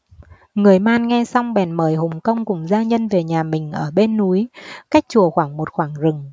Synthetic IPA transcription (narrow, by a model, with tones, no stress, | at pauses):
ŋɨ˨˩əjmaː˧nŋɛ˧sa˧wŋ͡mɓɛ˧˩nməː˧˩jɦʊ˨˩ŋ͡mkə˧wŋ͡mkʊ˨˩ŋ͡mzaː˧ɲə˧nve˨˩ɲaː˨˩mï˨˩ŋ̟ʔəː˧˩ɓe˧nːu˨˦jka˦˥jk̚t͡ɕu˨˩əxwaː˧˩ŋmo˨˩t̚xwaː˧˩ŋzɨ˨˩ŋ